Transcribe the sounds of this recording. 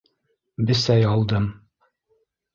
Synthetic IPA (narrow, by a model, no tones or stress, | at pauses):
bɘ̆sæjɑlˠd̪ɤm